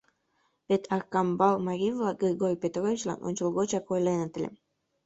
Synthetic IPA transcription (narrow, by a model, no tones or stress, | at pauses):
βet̪ʰɑrkɑmbɑlˠmɑɾʲivlˠɑɡirʲɣorʲpʲet̪rovʲit͡ɕlɑ̰nʔo̰nʲt͡ɕolˠɣot͡ɕɑkojlenə̆t̪ə̆lʲḛm